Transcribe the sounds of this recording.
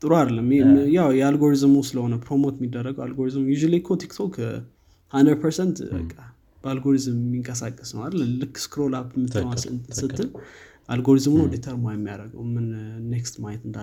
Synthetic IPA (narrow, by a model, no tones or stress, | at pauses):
t̪ʼɨɾoad̪əlːəmemjawjɛalɡo̞ɾizmusɨləho̞nəpʰɾomo̞t̪mːid̪ːərːəɡəwalɡoɾizmjuʒalikʰot̪ʰikt̪ʰokʰ | hand̪ɾəd̚pʰəɾsɛnt̪bə̰kʼːa | b̥əalɡo̞ɾizɨmmːiŋkʼəsakʼːəsnəwad̪əlːəmlɨkːskɨɾolapmɨt̪ʰəwasɨnt̪ɨnsɨt̪ːɨn | ʔalɡo̞ɾizmnodet̪ʰəɾmojɛmːija̰ɾəɡə̰wmɨnːekst̪majɛt̪ɨnd̪a